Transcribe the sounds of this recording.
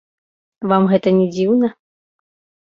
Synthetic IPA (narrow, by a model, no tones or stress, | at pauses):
vamɣɛt̪ɐnʲɛd͡zʲiwnɐ